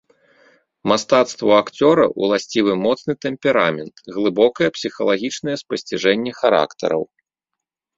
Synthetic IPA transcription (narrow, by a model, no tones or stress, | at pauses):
mast̪at̪st̪vuakt͡sʲɔɾɐ̰ʔṵlˠasʲt͡sʲivɨmɔt̪snɨt̪ɛmpʲɛɾamʲɛnt̪ɣlˠɨbɔkɐjɐpsʲixɐlˠaɣʲit͡ʂnɐjɛspɐsʲt͡sʲiʐɛnʲːɛxaɾa̰kt̪ɐ̰ɾɐ̰w